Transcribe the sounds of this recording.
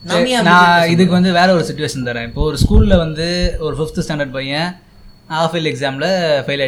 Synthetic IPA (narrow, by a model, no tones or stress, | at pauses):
nɐɾɪanãːɪðɯk̬ːɯʋɐnd̪ɯʋeːɾɐɔɾɯsɪt͡ʃːʊʋeːʂɐnt̪ɐːɾẽːɪpːoːɔɾɯskuːlɪlɐʋɐnd̪ɯɔɾɯfɪft̪sʈaːɳɖɐɾɖ̚pɐːjɐ̃ | aːfɪlɛksaːmlɐfɐɪlɐ